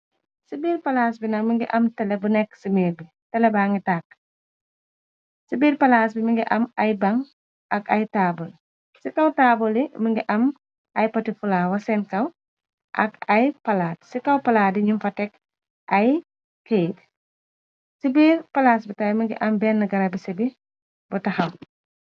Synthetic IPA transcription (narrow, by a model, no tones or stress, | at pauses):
sibiːɾpɐlas̬binɐkmiŋɡiʔɐmtɛlɛbunɛkːsimiːɾbi | tɛlɛbaːŋɡitaːk̚ː | sibiːɾpɐlas̬bimiŋɡiʔɐmɐjbɐŋ | ɐkɐjtaːbɔl | sikɐwtaːbɔliməŋɡiʔɐm | ʔɐjpɐtifulaːwɐsɛnkɐw | ʔɐ̰kɐjpɐlaːd̚sikɐwpɐlaːdiɲumfɐtɛk | ɐj | kejt | sibiːɾpɐlas̬bitaːjməŋɡḭʔɐmbɛːnːɐɡɐɾɐbisɛbi | butɐxɐw